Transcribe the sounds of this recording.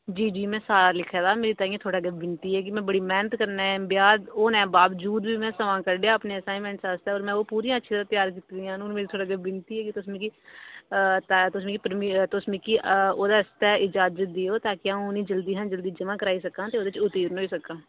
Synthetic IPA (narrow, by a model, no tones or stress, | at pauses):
d͡ʒiːd͡ʒiːmɛ̃ːsaːɾaːlɪkʰːaːd̪aːmeːɾiːt̪aːĩãt̪ʰoːɽaːɡebɪnt̪iːɦɛːk̬ɪmɛ̃ːbəɽiːmɛːnət̪kəɾnaːɛ̃ːbɪjaːd̪oːnɛ̃ːbaːʋəd͡ʒuːd̪biːmɛ̃ːsəʋãːkəɾɖejãːəpneːəsaːɪnmɛ̃ːɳʈsast̪ɛːɔːɾmɛ̃ːoːpuːɾijãːt͡ʃːʃʰiːt̪əɾaːt̪ɪjaːɾkit̪ːd̪ɪjãːnʊnmeːɾt̪ʰoːɽaːɡeːbɪnt̪iːɦɛːkɪt̪ʊsmĩːkiː | t̪at̪ʊsmĩːkipəɾmit̪osmĩːkioːd̪aːst̪ɛːɪd͡ʒaːd͡ʒət̪̚d̪eːoːt̪aːkɪaːũʊnĩːd͡ʒəld̪iːɦãnd͡ʒəld̪iːd͡ʒəmãːkəɾaːiːsəkãːt̪eːoːd̪eːt͡ʃʊt̪iːɾnoːiːsəkãː